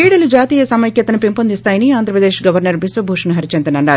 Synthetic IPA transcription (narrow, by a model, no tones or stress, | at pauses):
iːɽɐlud͡ʒaːt̪iːjɐsɐmɐjkjɐt̪ɐnupempond̪ist̪aːjɐniaːnd̪ɾɐpɾɐd̪eːʂɡɐʋɐɾnɐɾmisʋɐbʱuːʂɐnuɦɐɾit͡ʃɐnt̪ɐnɐɳɖaːɾu